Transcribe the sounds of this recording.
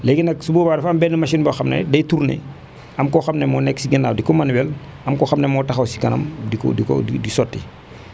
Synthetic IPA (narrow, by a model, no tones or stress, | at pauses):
lɛɡinɐksuboːbaːdɐfɐmbɛnːɛmɐʃinbɐxɐmnɐ̰dɐjtuɾnḛ | ɐmkɔxɐmneɛmɔːnɛkːsiɡinaːwdikɔmɐnwɛl | ɐmkɔːxɐmnemɔtɐxɐwsi̥kɐnɐ̰mdikdikɔ̰didisɔtːḭ